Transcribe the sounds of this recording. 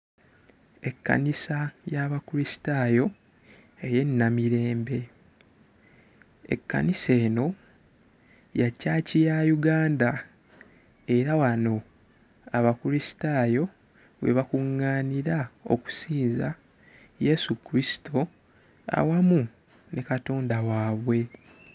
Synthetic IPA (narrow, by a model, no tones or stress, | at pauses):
e̞kːa̰nisajaβakulisi̥taːjo̞ | eje̞nːamiɾe̞ːmbe̞ | e̞̰kːa̰nise̞ːno̞ | jacːaːcijajuɡaːnda | e̞ɾawano̞ | aβakulisi̥taːjo̞ | we̞̰βakuŋːaːniɾao̞̰ku̥siːnza | je̞sukɾisi̥tʰo | a̰wamu | nekato̞ːndawaːβwe̞